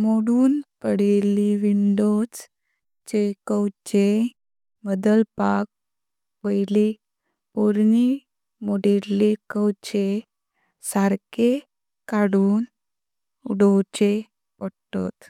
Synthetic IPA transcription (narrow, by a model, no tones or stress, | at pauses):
moɽuːnpəɽeliʋiɳɖod͡z | t͡ɕekəwt͡ɕe | məd̪əlpak̚ | ʋəjli | oɾni | moɽeɾːekəwt͡ɕe | saɾke | kaɽuːn | uɖot͡ɕe | pəɽtɔ̰t̪